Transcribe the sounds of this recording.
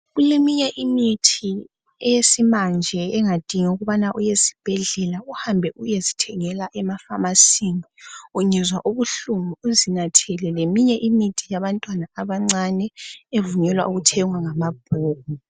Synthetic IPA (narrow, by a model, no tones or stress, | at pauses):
ɣulemiɲɛʔimitʰi | ɛjesimand͡ʒʱɛɛŋad̥ʱiŋauɣuβanaʔujesi̥b̥ʱɛɮɛlauhambʱɛʔujezitʰɛŋɛlaʔɛmafamasiŋiuɲɛzwa̰ʔuβuɬumuuzinatʰɛlɛlemiɲɛʔimitʰijaβantʼwanaaβaŋ͡ǀanɛevuɲɛlwa̰uɣutʰɛŋwaŋamab̥̚ʱoːk̚u